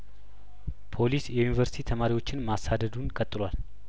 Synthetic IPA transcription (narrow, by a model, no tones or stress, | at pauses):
pʰo̞lisjɛjunivəɾsi̥t̪ʰit̪ʰəmaɾiwo̞t͡ʃːɪnmasad̪əd̪unkʼət̪ʼːɨlwal